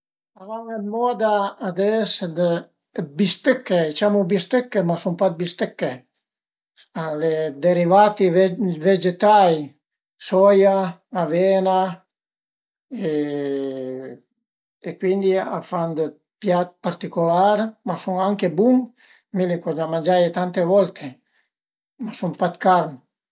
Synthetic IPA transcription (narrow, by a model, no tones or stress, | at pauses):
avaŋemɔd̪aːd̪ɛsd̪ə | bist̪økːet͡ʃamubist̪økːemasumpad̪̚bist̪ɛkːe | aled̪eɾivat̪ivved͡ʒet̪aj | sɔjaːvena | e | ekwind̪ia̰fand̪o | pjat̪̚paɾt̪ikolaɾmasuŋaŋkebuŋ | milikɔd͡ʒamand͡ʒajet̪ant̪evɔlt̪ʰe | masumpat̪kaɾn